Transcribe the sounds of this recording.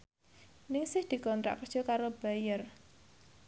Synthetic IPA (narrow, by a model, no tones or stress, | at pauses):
nɪŋsɪhd̪̥i̤kɔnt̪ɾa̰ʔkərd̥ʒ̥ɔkaɾob̥a̤jər